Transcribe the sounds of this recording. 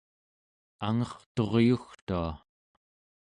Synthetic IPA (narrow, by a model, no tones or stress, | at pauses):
aŋʌχt̪o̞ʁjuxt̪ua